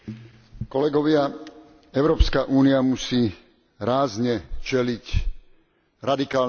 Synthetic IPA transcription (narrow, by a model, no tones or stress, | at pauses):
kɔlɛɡɔʋɪa | ɛʊɾɔːpskaʔuːniamusiː | ɾaːzɲɛt͡ʃɛlic | ɾad̪ikaː